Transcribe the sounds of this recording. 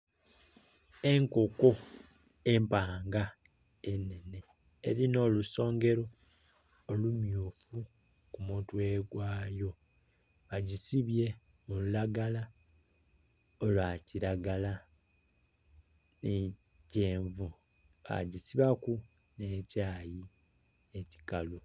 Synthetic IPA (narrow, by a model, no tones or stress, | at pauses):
e̞ŋko̞ko̞ | e̞mpaːŋɡa | e̞nːe̞ne̞̰ː | ɾino̞ːluso̞ːŋɡe̞ɾo̞ː | lumjuːfu | kumutwe̞ɡwaːjo̞ | βaɟisiβje̞ | mululaɡala | olwaːciɾaɡala | ne | ce̞ːɱvu | βa̰ɟisiβaku | ne̞ːcaːji | e̞ci̥kalu